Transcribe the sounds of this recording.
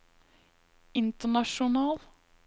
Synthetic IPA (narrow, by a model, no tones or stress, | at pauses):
ɪnt̪əɳɑʃʊnɑːl